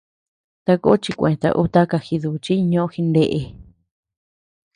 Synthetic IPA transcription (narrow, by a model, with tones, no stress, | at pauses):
t̪a˧ko̰˦t͡ʃi˧kʷḛ̃˨t̪a̰˧ʔu˦t̪a˦ka˧xi˧ðu˧t͡ʃi˦˧ɲõ˧˦ʔõ˧xi˧nd̪e˧ʔe˧